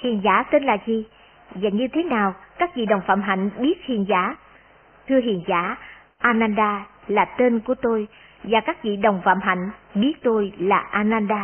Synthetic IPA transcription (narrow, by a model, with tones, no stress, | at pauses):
hḭ˨ənzaː˨˦t̪e˧nlaː˨˩zi˨˩ | vaː˨˩ɲɨ˧t̪ʰe˨˦naː˨˩wkaː˦˥k̚vḭ˧˨ɗə˨˩wŋ͡mfa̰ː˧˨mɦa̰˧˩jŋ̟ɓi˦˥ət̚hḭ˨ənzaː˧˦ | t̪ʰɨ˧əɦḭ˧˨ənza̰ː˧˦ | ʔaː˧naː˧nɗaː˧laː˨˩t̪e˧nku˧˩ət̪o˧j | vaː˨˩kaː˦˥k̚vḭ˧˨ɗə˨˩wŋ͡mfa̰ː˧˥mɦa̰˧˩˨jŋ̟ɓi˦˥ət̚t̪o˧jlaː˨˩ʔaː˧naː˧nɗaː˧